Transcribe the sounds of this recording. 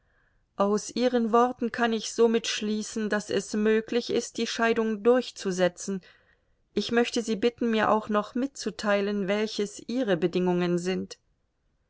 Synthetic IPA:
ʔaʊsʔiːʁ̞ənvɔʁtn̩kʰanɪçz̥oːmɪtʃliːsn̩dasɛsmøːklɪçɪst̚d̥iːʃaɪdʊŋdʊɐçt͡suzɛt͡sn̩ | ʔɪçmœçtəziːbɪtn̩miːɐʔa̰ʊxnɔχmɪtt͡sutʰaɪlənvɛlçəsʔiːʁəbədɪŋʊŋənzɪnt

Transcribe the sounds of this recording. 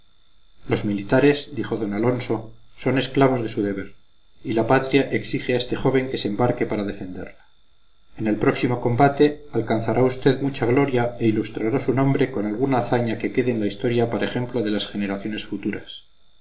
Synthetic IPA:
lo̞zmilit̪aɾe̞zd̪ixo̞ðo̞nalo̞nso̞so̞ne̞sklaβ̞o̞zðe̞suð̞e̞β̞e̞ɾ | ilapat̪ɾjaʔe̞ksixeae̞st̪e̞xo̞β̞e̞ŋke̞sembaɾke̞paɾaðe̞fe̞nd̪e̞ɾla | ene̞lpɾo̞ksimo̞ko̞mbat̪e̞alkanθaɾʔaust̪e̞ðmut͡ʃaɣlo̞ɾjae̞ilust̪ɾaɾasunõ̞mbɾe̞ko̞nalɣ̞unaːθaɲake̞ke̞ðeːnlaist̪o̞ɾjapaɾaexe̞mplo̞ðe̞lasxe̞ne̞ɾaθjo̞ne̞sfut̪uɾas

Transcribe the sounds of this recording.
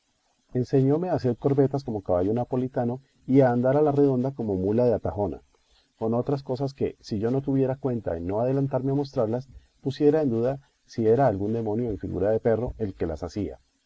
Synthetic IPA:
e̞nse̞ɲo̞me̞aːse̞ɾkoɾβe̞t̪asko̞mo̞kaβaʝo̞napo̞lit̪ano̞ | iaːnd̪aɾalare̞ðo̞nd̪ako̞mo̞mulaðeat̪axo̞na̰ | ko̞no̞t̪ɾas̬ko̞sas̬ke̞̰siʝo̞no̞t̪uβje̞ɾakwe̞nt̪a̰enːo̞aðe̞lant̪aɾmeamo̞s̬t̪ɾaɾlas | pusje̞ɾaend̪uða | sie̞ɾaːlɡund̪e̞mo̞njo̞eɱfḭɣṵɾaðe̞pe̞ro̞e̞lke̞la̰sasia̰

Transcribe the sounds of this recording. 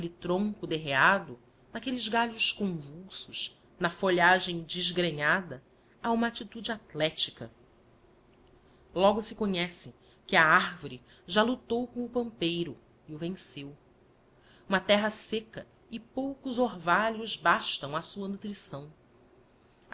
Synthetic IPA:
kelit̪ɾõŋkʊd̪eɦead̪ʊ | nɐkelɪzɡaʎʊʃkõvuwsʊʃ | nɐfoʎaʒẽj̃d͡ʒiʒɡɾeɲad̪ɐ | aũmɐat͡ʃit̪ud͡ʒɪat̪lɛt͡ʃikɐ̰ | lɔɡʊsɪkoɲɛsɪ | kɪɐaɾvoɾi | ʒalut̪owkõw̃ʊpɐ̃mpejɾʊ | iʊvẽsew | ũmɐt̪ɛɦɐsekɐ | ɪpowkʊzoɾvaʎʊzbaʃt̪ɐ̃w̃ɐsuɐnut̪ɾisɐ̃w̃

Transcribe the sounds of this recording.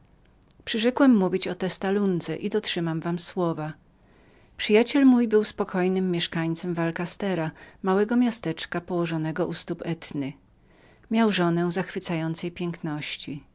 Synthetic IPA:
pʂɘʐɛkwɛmːuvʲit͡ɕɔt̪ɛst̪alund̪zɛ̰ʔid̪ɔtʂɘmamvamswɔva | pʂɘjat͡ɕɛlmujbɘwspɔkʰɔjnɘmːjɛʂkaɲt̪sɛmvalkast̪ɛɾamawɛɡɔmʲjast̪ɛt͡ʂkapɔwɔʐɔnɛɡɔʔust̪upɛt̪nɘ | mʲjawʐɔnɛzaxfɘt̪sajɔnt̪sɛjpʲjɛŋknɔɕt͡ɕi

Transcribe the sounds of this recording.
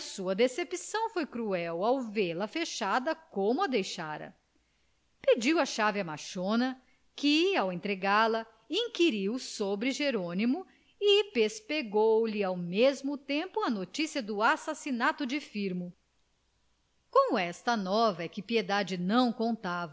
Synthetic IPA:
suɐd̪esepisɐ̃w̃fojkɾuɛwawveɾlɐfeʃad̪ɐkõmʊɐd̪ejʃaɾɐ̰ | ped͡ʒiwɐʃavɪɐmaʃõnɐ | kɪawẽnt̪ɾeɡaɾlɐ | ĩŋkiɾiwsobɾɪʒeɾõnimʊ | ɪpespeɡowlɪawmezmʊt̪ẽmpʊɐnot͡ʃisiɐd̪ʊasasinat̪ʊd͡ʒɪfiɾmʊ | kõw̃ɛst̪ɐnɔvɐɛkɪpied̪ad͡ʒɪnɐ̃w̃kõnt̪avɐ

